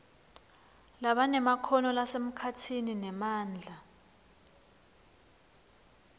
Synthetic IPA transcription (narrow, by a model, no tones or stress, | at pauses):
laɓanɛmakʰɔnɔlasem̩kʰatʰininɛmaːnd͡ɮʱa